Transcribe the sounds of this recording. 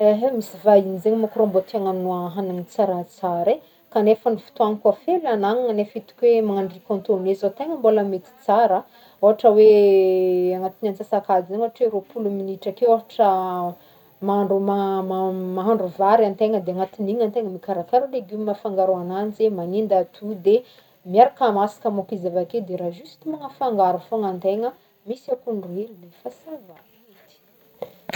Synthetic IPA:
eɦmisivainizeɲmakɾomboat̪iaŋanuaɦananit͡saɾat͡saɾe | kanefənifu̥t̪uanikafelanaŋŋanefit̪u̥kʲwemaŋaɳɖ͡ʐikɔ̃nt̪onezot̪eŋəmboləmet̪i̥t͡saɾa | oɦaʈ͡ʂəwe | aŋat̪inant͡sasakazizeɲoaʈ͡ʂweɾopʰuluminiʈ͡ʂakeoɦaʈ͡ʂə | maɳɖ͡ʐumamamaɦaɳɖ͡ʐuvaɾant̪eŋəd̪eaŋat̪iniŋant̪eŋəmikaɾakaɾuleɡuminafaŋɡaɾoananzemanind̪at̪ʰud̪e | mjaɾakamasi̥kəmukizavaked̪eɾaʒust̪imaŋafaŋɡaɾufoŋant̪eŋə | misakunruelulefəsava | it̪i̥

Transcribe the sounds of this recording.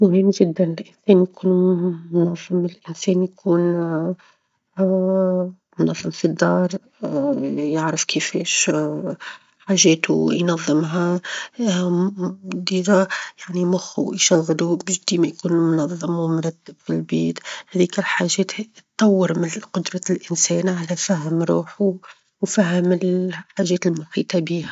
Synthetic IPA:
mʊhɪmːʒɪd̪ːænɪlʔɪnsɛːnjkuːnmːʊnɑðˤːəmːlʔɪnsɛːnjkʰuːn | mʊnɑðˤːɨmfid̪ːɑːɾˤ | jaʕɾəfkəfɛːʃ | ħaʒɛːt̪ṵjnɑðˤːəmɦa | d̪iːdajaʕnimʊxṵjʃɑɣːd̪ubʒd̪imajkuːnmʊnɑðˤːɨmwmɾˤɑd̪ːɪbfilbiːt̪hɛðiːkɪlħaʒɛːt̪t̪ˤːɑwːəɾmɪqʊd̪ɾˤɑlʔɪnsɛːnʕalæfaɦmɾˤṵːħu | wfaɦɪmɪlħaːʒɛːt̪lmʊħḭːt̪ˤɑbiːhæ

